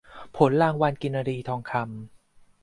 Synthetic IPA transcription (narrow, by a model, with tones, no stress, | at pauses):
pʰo˩˦nlaː˧ŋwa˧nki˧nːaː˧ɾiː˧t̪ʰɔː˧ŋkʰa˧m